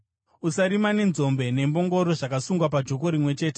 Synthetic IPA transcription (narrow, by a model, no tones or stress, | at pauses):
usaɾimane̞nzo̞mbe̞ne̞mbo̞ŋɡo̞ɾo̞ʐakasuŋɡwap̬ad͡ʒo̞k̬o̞ɾimwe̞t͡ʃe̞ːte